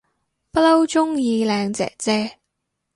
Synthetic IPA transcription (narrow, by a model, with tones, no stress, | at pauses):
pɐ˥lɐ˥wt͡sʊ˥ŋjiː˧lɛː˨˧ŋt͡sɛ̰ː˨k̚t͡sɛː˥